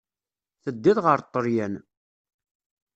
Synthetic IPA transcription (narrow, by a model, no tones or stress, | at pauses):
θəd̪ːiðʁəɾt̪ˤːəɾjæn